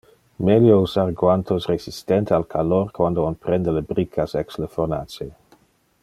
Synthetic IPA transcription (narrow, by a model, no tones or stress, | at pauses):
meljousarɡwant̪ʰosresist̪ɛnt̪ealkʰalorkwand̪oonpɾɛnd̪əlebɾikʰːasɛksləfona̰ːt͡ʃe